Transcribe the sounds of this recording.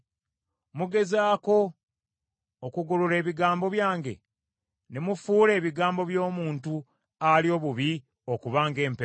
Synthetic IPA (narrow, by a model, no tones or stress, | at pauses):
muɡe̞zaːko̞ | kuɡuluɾe̞ːβiɡaːmbo̞βjaːŋɡe̞̰ | nemufuːle̞ːβiɡaːmbo̞βjo̞ːmuːntu | alijo̞ːβuβi | o̞kuβaːŋɡe̞ːmpe